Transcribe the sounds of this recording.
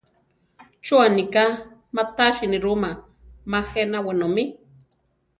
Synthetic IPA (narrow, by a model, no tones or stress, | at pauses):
t͡ʃuanika | mat̪aʃiniɾuma | maxenawenomi